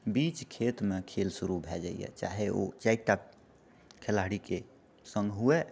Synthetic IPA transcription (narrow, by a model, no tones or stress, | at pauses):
bit͡ʃkʰet̪mekʰelsuɾubʱɛd͡ʒa̰ḭjɛ̰t͡ʃa̰ɦeʔo̰t͡ʃaɪkʈa | kʰelaɽike | sə̃ŋɡɦue